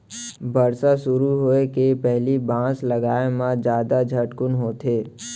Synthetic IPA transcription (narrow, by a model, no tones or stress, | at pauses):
bəɾsasʊɾuɦoːekepɛɦlibãːsləɡaːemãd͡ʒjaːd̪ad͡ʒʱəʈkʊnɦoːt̪ʰeː